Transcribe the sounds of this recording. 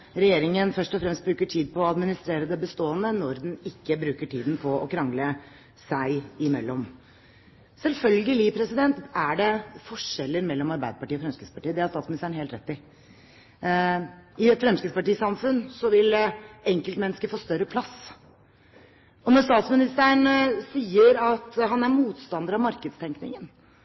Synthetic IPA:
ɾɛjeːɾɪŋənfœʂʈɔfɾɛmst̪bɾʉːkəʈʰiːd̪̚pʰɔːɑd̪mɪnɪst̪ɾeːɾəd̪ɛbəst̪oːənənɔɾd̪ɛnɪkːəbɾʉːkəʈʰiːd̪n̩pʰɔɔkʰɾɑŋlə | sæɪɪmɛ̰lːɔm | sɛlfœlɡəlɪpʰɾɛsɪd̪ɛnt̪æɖɛfɔʂɛlːəɾmɛlːɔmɑɾbæɪd̪əpɑʈiːɔfɾɛmskɾɪd̪spɑʈiːəd̪ɛæt̪st̪ɑːt̪smɪnɪst̪æəɳnheːlt̪ɾɛt̪ːɪ | ɪɛt̪fɾɛmskɾɪd̪spɑʈiːsɑmfʉnsɔʋɪlɛŋkəlt̪mɛnːəskəfoːst̪œɾəpʰlɑs | ɔnɔɾst̪ɑːt̪smɪnɪst̪æəɳsiːəɾɑt̪ɦɑnæɾmuːt̪st̪ɑnd̪əɾɑʋmɑɾkəd̪st̪ʰɛŋknɪ̰ŋən

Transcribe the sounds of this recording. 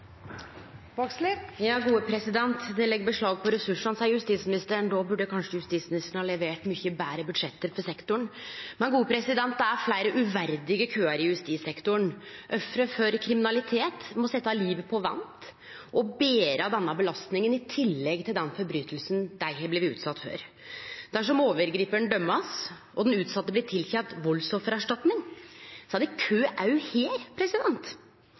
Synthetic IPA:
bɑkslɪjɑːɡuːəpʰɾɛsɪd̪ɛnt̪d̪ɛlɛɡːəbəʂɭɑːɡ̚pʰɔɾɛsʉʂɑnsæjʉst̪iːsmɪnɪst̪əɳd̪obʉɖːəkʰɑnʂəjʉst̪iːsmɪnɪst̪əɳ̩hɑːlɛʋeːʈmʏçəbæːɾəbʉd̪ʂɛt̪ːəɾfɔsɛkt̪ʊɳmɛnɡuːəpʰɾɛsɪd̪ɛnt̪̚d̪ɛæɾflæɪɾəʔʉʋæɾd̪ɪɡəkʰøːɑɾjʉst̪iːsɛkt̪ʊɳʔœfɾəfɔɾkʰɾɪmɪnɑlɪt̪ʰeːt̪mɔsɛt̪ːɑliːʋəpʰɔʋɛ̰nt̪ | ʔɔbeːɾəd̪ɛnːəbəlɑst̪nɪŋənɪt̪ʰɪlːɛɡt̪ɪld̪ɛnfɔɾbɾyːt̪əlsnd̪æɪhəblɪʋɪʉ̰ːt̪sɑt̪ːfø̰ːɾ | d̪̥æʂ̬ɔmoːʋəɾɡɾiːpæɳd̪œmːɑs | ɔd̪nʉːt̪sɑt̪ːəblɪʈ̪ʰɪlçɛnt̪ʋɔlsɔfəɾɑʂʈɑt̪nɪŋsɑd̪ɛkʰøːʔɑʉheːɾpʰɾɛsɪd̪ɛnt̪

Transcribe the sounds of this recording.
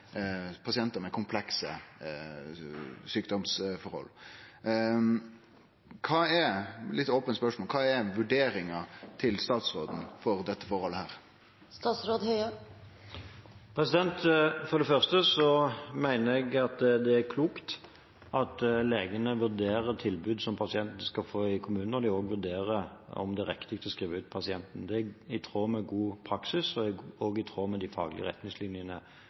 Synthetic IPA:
pʰɑsɪɛnt̪əɾmɛkʰʊmpʰlɛksə̰ | syːkd̪ɔmsfɔɾhɔ̰lː | kʰɑːɛɾlɪt̪ːoːpənspœʂmoːlkʰɑːɛɾʋʉɖeːɾɪŋɑt̪ʰɪlst̪ɑːt̪sɾo̰ːd̪n̩fɔɾd̪ɛt̪ːəfɔɾhɔlːəhæːɾ | st̪ɑːt̪sɾoːd̪hœʏə | pʰɾɛsɪd̪ɛnt̪fɔʁd̪ɛfœʁst̪əsɔmæɪnəɾɛɡɑt̪d̪ɛækʰluːkt̪ | ʔɑt̪leːɡənəʋʉʁd̪eːɾət̪ʰɪlbʉːd̪sɔmpʰɑsɪɛnt̪nəskɑfoːɪkʰʊmʉːnn̩ɔd̪ɪoːɡʋʉɾd̪eːɾəɔ̰md̪ɛæɾɛkt̪ɪk̚t̪ɔskɾiːʋəʉːt̪pʰɑsɪɛnt̪n̩d̪ɛɪt̪ʰɾoːmɛɡuːpʰʁɑksɪsɔɔːɡɪt̪ʰɾoːmɛd̪ɪfɑ̰ːɡlɪ̰ə̰ɛ̰t̪nɪŋslɪnjənə

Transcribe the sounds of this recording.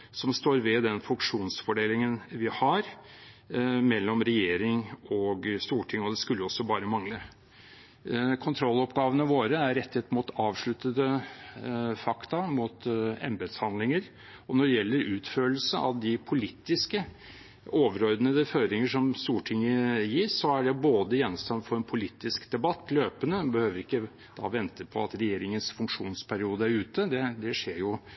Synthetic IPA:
sɔmst̪oːɾʋɛd̪ɛnfʉŋkʂuːnsfɔɖeːlɪŋənʋɪhɑɾ | mɛlːɔmɾɛjeːɾɪŋɔɡst̪uːʈʰɪŋːɔd̪ɛskʉlːəɔsːɔbɑːɾəmɑŋlə | kʰʊnt̪ʰɾɔlːɔpɡɑːʋənəʋoːɾəæɾɾɛt̪ːɪhɛt̪ːmʊt̪ɑːʋʂɭʉt̪ːəd̪ə | fɑkt̪ɑmut̪ɛ̰mbɛd̪shɑnd̪lɪŋəɾ | ɔnɔɖɛjɛlːəɾʉːt̪føːll̩səɑ̰ʋd̪ɪpʰʊliːt̪ːɪskə | oːʋəɾɔɾd̪ənəɾɛføːɾɪŋəʂɔmst̪uːʈʰɪŋːəjɪsːɔæɖɛboːd̪əjɛnːɔmst̪ɑnfɔɾɛnpʰʊliːt̪ːɪskd̪ɛbɑt̪ːløːpənəbəhøːʋəɾɪkːə | d̪ɑ̰ːʋɛnt̪əpʰɔɑt̪ɾɛjeːɾɪŋənsfʉŋkʂuːnspʰæɾɪuːd̪əæɾʉːt̪əd̪ɛd̪ɛʂeːɾjʊ

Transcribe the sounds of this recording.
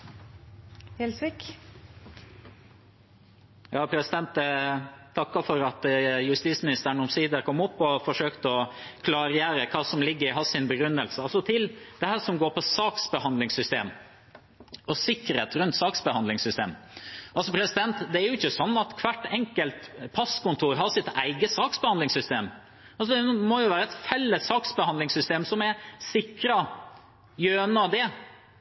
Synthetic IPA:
hɛlsʋɪk | jɑːpʰɾɛsɪd̪ɛnt̪ɛt̪ʰːɑkːɑfɔɾɑt̪jʉst̪iːsmɪnɪst̪əɳ̩ʊmsiːd̪əɾkʰɔmːʊpːɔfɔʂøːkt̪əɔkʰlɑːɾəjæːɾəkʰɑːsɔmlɪɡːəɾɪɦɑsɪnbəɡɾʉnːəlsəɑlsɔt̪ʰɪld̪̥ɛhæːɾʂɔmɡoːɾpʰɔsɑːksbəhɑnd̪lɪŋsʏst̪eːm | ɔsɪkːəɾeːt̪ɾʉnt̪sɑːksbəhɑnlɪŋsʏst̪ḛːmʔɑlsɔpʰɾɛsɪd̪ɛnt̪d̪ɛæɾjʊɪçːəsɔnːɑt̪kʰʋæʈːɛŋkəlt̪pʰɑskʊnt̪ʰuːɾɦɑsɪt̪æɪɡəsɑːksbəhɑnd̪lɪŋsʏst̪eːm | ɑlsɔd̪ɛmɔjʊʋæːɾəɛt̪fɛlːəsːɑːksbəhɑnd̪lɪŋsʏst̪eːmsɔmɛsɪkɾɑ | jøːnɑd̪ɛ

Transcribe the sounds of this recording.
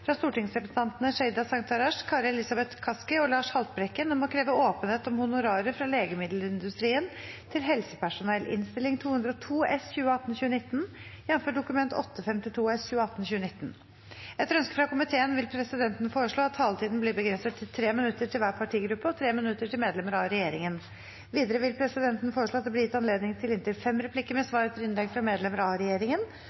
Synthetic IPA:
fɾɑst̪uːʈɪŋsɾɛps̩ɑnt̪nəʂɛɪd̪ɑsɑŋt̪ʰɑɾɑʂkʰɑːɾɛlɪsɑbɛt̪kʰɑskəɔlɑːʂhɑlt̪̚bɾɛkːənɔmɔkʰɾeːʋəoːpənheːt̪ɔmhʊnʊɾɑːɾəfɾɑleːɡəmɪd̪ləɪnd̪ʉst̪ɾiːənt̪ʰɪlɦɛlsəpʰæʂʊnɛlʔɪ̰nst̪ɪlɪŋt̪ʰuːhʉnd̪ɾɔt̪ʰuːɛsçʉːəɑt̪ːn̩çʉːənɪt̪ːn̩jɛnfɔɖʊkʉmɛnt̪ɔ̰t̪ːəfɛmt̪ɪt̪ʰuːɛsçʉːəɑt̪ːn̩çʉːənɪt̪ːn̩ | ɛt̪ɾœnskəfɾɑkʊmɪt̪ʰeːənʋɪlpʰɾɛsɪd̪ɛnt̪ənəfoːɾəʂɭoːɑt̪ʰːɑːlət̪ʰiːd̪n̩bliːbəɡɾɛnsət̪ʰːɪlt̪ʰɾeːmɪnʉt̪ːəʈʰɪlʋæːɾpʰɑʈʰiːɡɾʉpːəɔt̪ʰɾeːmɪnʉt̪ːəʈʰɪlmeːd̪lɛməɾɑɾɛjeːɾɪŋən | ʋiːd̪əɾəʋɪlpʰɾɛsɪd̪ɛnt̪nəfoːɾəʂɭoːt̪d̪ɛbliːjɪt̪ːɑnleːd̪nɪŋt̪ʰɪlɪnt̪ɪlfɛmɾɛpʰlɪkːəɾmɛsʋɑːɾət̪ʰəɾɪnlɛk̪fɾɑmeːd̪lɛməɾɑɾɛjeːɾɪŋən

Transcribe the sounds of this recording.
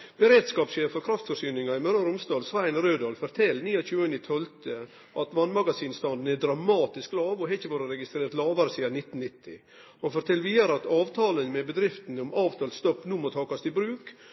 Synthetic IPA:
b̥əɾeːd̪skɑːpʃeːffɔɾkʰɾɑft̪fɔʂyːnɪŋɑɪmœɾɔɾʊmst̪ɑːlsʋæɪnɾøːd̪ɑːlfɔɾt̪ʰɛlːniːɑçʉːənɪt̪ʰɔlt̪ʰə | ʔɑt̪ʋɑnmɑɡɑsiːnst̪ɑnd̪n̩ɛdɾɑmɑːt̪ɪsklɑːʋɔɦɛçəʋɑːɾəɾɛɡɪst̪ɾeːɾt̪lɑːʋɑɾəsiːɑnɪt̪ːnnɪt̪ʰːɪ | ɔfɔɾt̪ʰɛlʋiːəɾɑt̪ɑːʋt̪ʰɑːlənmɛbəd̪ɾɪft̪nɔmʔɑːʋt̪ʰɑːlst̪ɔpːnuːmɔt̪ʰɑːkɑst̪ɪbɾʉːk

